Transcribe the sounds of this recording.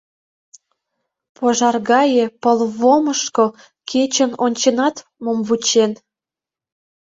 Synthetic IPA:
poʒɑrɣɑjepəlβoməʃko | kʰet͡ɕənonʲt͡ɕenɑt̪ | momβut͡ɕen

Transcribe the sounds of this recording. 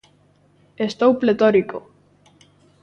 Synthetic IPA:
est̪owplet̪oɾiko

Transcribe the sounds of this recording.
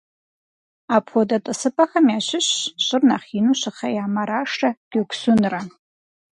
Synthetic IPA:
apʰodatʼɨsɨpʼaxamiaʃɪɕɕʼɨrnaχinuʃaχajamaɾaʂʈ͡ʂaɡ̥ʲɨkʷsʊnra

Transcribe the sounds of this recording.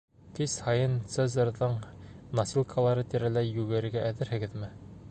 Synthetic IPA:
k̪ishɑjɤnt̪sezɤɾðɤɴnɑsilˠkʰɑlˠɑɾɤt̪iɾælæjːʉɡɘ̆ɾɘ̆ɡæʔæðɘɾhɘ̆ɡɘðmɘ

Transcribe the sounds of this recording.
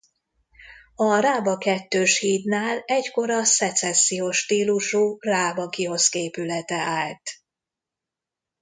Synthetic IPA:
ɒraːbɒkɛt̪ːøːʃhiːt̪naːlɛcko̞ɾɒsɛt̪sɛsːijoːʃːt̪iːluʃuraːbɒkio̞skeːpylɛt̪ɛaːlt̪

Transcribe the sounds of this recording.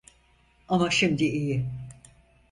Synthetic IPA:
amaʃimd̪iijɪ

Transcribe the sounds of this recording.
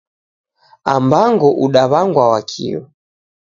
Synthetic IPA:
ambaŋɡɔʔuɗaβaŋɡwawakʰḭwɔ

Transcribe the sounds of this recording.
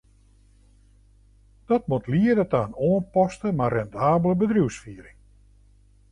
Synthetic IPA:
d̥ɔt̚mutliərdɔtaːənoːənpɔstəmarɛndaːbələbədrjuwsfiəɾɪŋ

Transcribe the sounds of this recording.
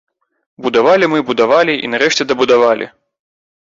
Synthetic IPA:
bud̪avalʲimɨbud̪avalʲiʔḭnaɾɛʂt͡sʲɛd̪ɐbud̪avalʲʔḭ

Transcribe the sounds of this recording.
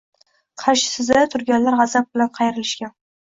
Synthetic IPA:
qʰɑʃɪ̥sɪzd̪at̪ʰʊɾɡʲanlaɾʁɑzab̚bɪlanqʰɑjɪɾɪlɪʃkʲan

